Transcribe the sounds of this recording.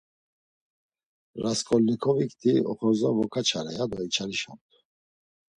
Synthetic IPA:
ɾaskʼɔlnikʰɔvikt̪ʰiɔ̰χɔzavɔkʰat͡ʃʰaɾɛjad̪ɔit͡ʃʰaɾiʃa̰mt̪ʰu

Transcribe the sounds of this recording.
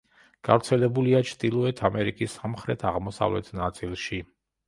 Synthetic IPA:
ɡ̥avɾt̪sʰɛlɛbuliat͡ʃʰd̪ʼilˠɔɛt̪ʰamɛɾikʼisːamχɾɛt̪ʰaʁmɔsa̰vlɛ̰t̪ʰnat̪sʼilˠʃi

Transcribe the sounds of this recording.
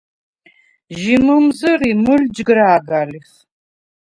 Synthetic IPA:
ʒimɨmzɨriːmɨld͡ʒɡɨɾaːɡaːlɨf

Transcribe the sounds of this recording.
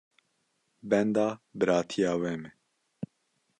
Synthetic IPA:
bɛnd̪ɑːbɨɾɑːt̪ʰijɑːwɛmɛ

